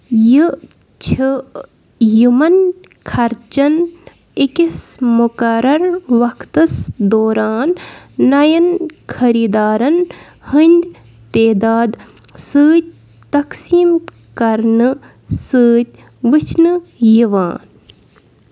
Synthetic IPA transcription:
jɨ | t͡ʃʰɨ | jumɐn | kʰɐɾt͡ʃɐn | ikismukɐɾɐɾʋɐkʰt̪ɐsd̪oːɾaːnːɐjɐnkʰɐɾiːd̪aːɾɐn | hɨnʲd̪ʲ | t̪eːd̪aːd̪ | sɨːt̪̚ʲ | t̪ɐksiːm | kɐɾnɨ | sɨːt̪̚ʲ | ʋɨt͡ʃʰnɨjiʋaːn

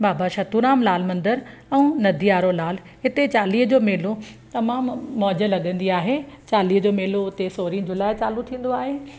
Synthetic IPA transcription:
baːbaʃaːt̪uɾaːmlaːl̤mɐ̃nd̪əɾ | ɛ̃ũnɐd̪ʱiaːɾolaːl̤ | ɦɪt̪et͡ɕaːliːɦd͡ʑoːmeːlot̪ɐmaːmːɔːd͡ʑə̆lɐɠə̃nd̪iaːɦet͡ɕaːliːɦəd͡ʑoːmeːloʊt̪esoːɾĩːd͡ʑʱʊlaːɪt͡ɕaːlut̪ʰĩːn̆d̪oaːɦeː

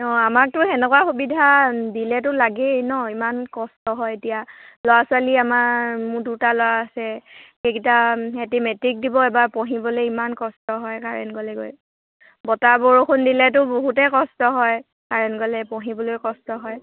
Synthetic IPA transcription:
ɔamak̚tʊɛnɛkwaxubidʱadilɛt̬ʊlaɡenɔimankɔstɔɦɔjetijalɔwasʊaliamaɹmʊdutalɔwaːsɛkekitaɛtimɛtik̚dibɔɛbaɹpɔɦibɔlojimankɔstɔɦɔjkaɹɛ̰nɡɔlɛɡo̰j | bɔtaboɹokʰʊndilɛt̬ʊboɦutɛkɔstɔɦɔj | kaɹɛnɡɔlɛpɔɦibɔlojkɔstɔɦɔj

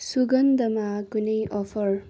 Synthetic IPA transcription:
suɡʌnd̪ʌmakunʌjʔɔpʰʌɹ

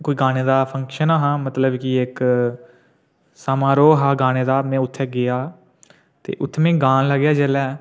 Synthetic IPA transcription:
koːiːɡaːneːd̪aːpʰəŋkʃənaːɦãːmət̪ləbkiɪk | saːmãːɾoːɦaːɡaːneːd̪aːmɛ̃ːʊt̪ʰːɛɡɪjaː | t̪ḛːʔʊt̪ʰːeːmɛ̃ːɡãːnləɡjaːd͡ʒɛːlɛː

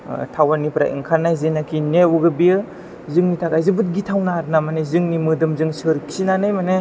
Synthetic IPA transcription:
tʰawanipɾa̰ʔḭŋkʰanajzenakʰineuɡɯbijɯ | zɯŋnitʰaɡajzɯbɯt̚ɡitʰawnaɾnamanezɯŋnimɯdɯmzɯŋsɯɾkʰinanɯjmane

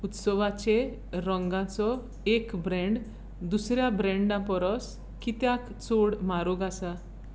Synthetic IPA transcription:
ut̪sɔʋat͡ɕe | ɾɔŋɡãt͡sɔ | ekbɾɛ̃ɳɖ | d̪usɾjabɾɛ̃ɳɖãmpɔɾɔs | kit̪jak | t͡soɽmaɾɔɡasa

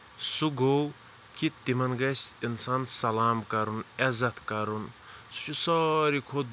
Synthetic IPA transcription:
suɡow | kʰit̪ːimɐnɡɐsinsansɐlaːmkɐɾunɛzɐt̪ʰkɐɾun | su̥t͡ʃʰusɔɾikʰod̪̚

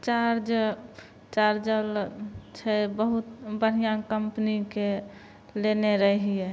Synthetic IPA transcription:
t͡ʃaɾd͡ʒ | t͡ʃaɾd͡ʒəlt͡ʃʰɛbəɦut̪bəɾ̤ijãkəmpnike | leneɾəɦiɛ

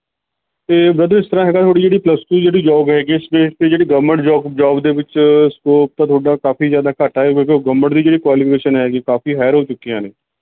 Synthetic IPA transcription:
t̪eːbɾəd̪ɾɪst̪əɾãːɦɛːɡaːt̪ʰoːɽiːd͡ʒeːɽiːpləskuːd͡ʒeːɽiːd͡ʒɔːɡɦɛːɡiːɪsbeːʈped͡ʒeːɽiːɡəmːəɳʈd͡ʒɔːɡd͡ʒɔːɡd̪eːʋɪt͡ʃɪskoːp̚t̪aːt̪ʰoːɽaːkaːfiːzjaːd̪aːkəʈaːɛːʋekeɡəmːəɳʈd̪iːd͡ʒeːɽiːkʋaːliːpʰɪkeːʃənɦɛːɡiːkaːfiːɦɛːəɾɦoːt͡ʃʊkːiãːneː

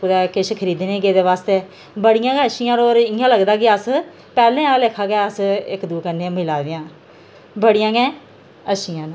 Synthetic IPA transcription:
ʊd̪ɛːkɪʃkʰəɾiːd̪nẽːɡeːd̪eːʋaːst̪eː | bəɽɪjãːɡɛ̃ːəʃijãːnoːɾɪjãːləɡd̪aːk̬ɪəs | pɛːlẽːãːleːkʰaːɡɛːəsɪkd̪uːkənːeːmɪlaːd̪eãː | bəɽɪjãːɡɛ̃ː | əʃijãːn

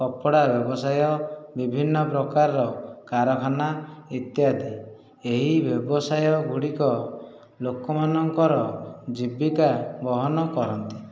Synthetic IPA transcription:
kɔpɔɽabjɔbɔsajɔbibʱinːɔpɾɔkaɾɔɾɔkaɾɔkʰanait̪jad̪i | eɦibjɔbɔsajɔɡʱuɽikɔ | lokɔmanɔŋkɔɾɔd͡ʒibikabɔɦɔnɔkɔɾɔnt̪i̥

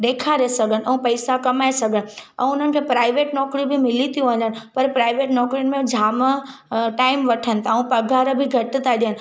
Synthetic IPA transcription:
ɗ̪eːkʰaɾesɐɡʱən̆ʔɛ̃ũpɐɪsakɐmaːesɐɡʱənɪ̆ɛ̰̃ːʊn̤ənɪ̆kʰẽpɾaːɪʋeːʈnɔːkɾibʱɪmɪlit̪ʰijũɐɲənɪ̆pɐɾpɾaːɪʋeːʈnɔːkɾijʊnmẽd͡ʑʱaːmə | ʈaːɪmʋɐʈʰənɪ̆t̪ʰaũpɐɡʱaɾbʱɪɡʱɐʈɪt̪ʰaɗijənɪ̆

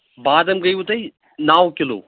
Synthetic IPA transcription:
baːd̪ɐmɡɐjũːt̪ɐi | naːʋkɪlo̰ː

